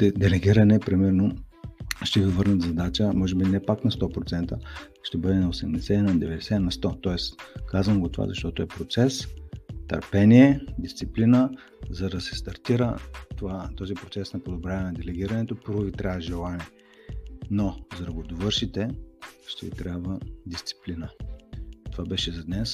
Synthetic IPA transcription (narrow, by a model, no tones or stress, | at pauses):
t̪ɛd̪ɛlɛɡʲiɾɐnɛpɾimɛɾno | ʃt̪ɛvivɤɾnɐt̪zɐd̪at͡ʃəmɔʒɛbinɛpaknɐst̪ɔpɾot̪sɛnt̪ə | ʃt̪ɛbɤd̪ɛnɐosɛmd̪ɛsɛnɐd̪ɛvɛd̪ɛsɛnɐst̪ɔt̪ɔɛskazvəmɡot̪ova̰zɐ̰ʃt̪ɔt̪oɛpɾot̪sɛst̪ɐ̰ɾpɛniɛd̪ist̪siplinə | zɐd̪ɐsɛst̪ɐɾt̪iɾət̪ovat̪ɔzipɾot̪sɛsnɐpod̪obɾjavnɐd̪ɛlɛɡʲiɾɐnɛt̪opəɾvoɡit̪ɾʲavʒɛlˠanɛ | nozɐd̪ɐɡod̪ovɤɾʃit̪ɛʃt̪ɛɡḭt̪ɾʲabvəd̪ist̪si̥plinə | t̪ovabɛʃɛzɐd̪nɛs